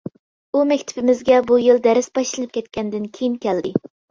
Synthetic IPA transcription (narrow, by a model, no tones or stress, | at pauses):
umɛkʲt̪ʰɪ̥pɪmɪzɡʲɛbujilˠd̪ɛɾɪsbɑʃlˠɨnɨp̚kʲʰɛt̪̚kʲɛnd̪ɪnkʲʰejiŋkʲɛld̪ɪ